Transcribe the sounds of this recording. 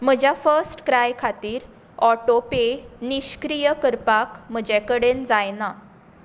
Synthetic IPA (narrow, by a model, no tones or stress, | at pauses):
m̤əd͡ʑjafəɾsʈkɾajkʰat̪iːɾ | ɔʈopeniɕkɾijəkəɾpakm̤əd͡ʑekəɽend͡zajna